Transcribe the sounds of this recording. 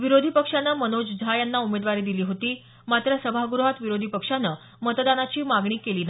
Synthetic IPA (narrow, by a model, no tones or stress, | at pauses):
ʋiɾod̪ʱipəkʂanːəmənod͡ʑd͡zʱajanːaumed̪ʋaɾiːd̪iliːɦot̪iː | mat̪ɾəsəbʱaɡuɾuɦat̪ʋiɾod̪ʱipəkʂanːə | mət̪d̪anat͡ɕiːmaɡɳ̃iːkeliːna